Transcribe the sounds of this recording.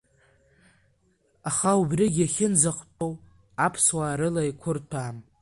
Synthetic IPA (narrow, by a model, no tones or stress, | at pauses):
aχaubriɡʲaχʲɪnzaqʷʰʼtʼow | apʰswaːɾɨlaikʷʰʊrtʰaːm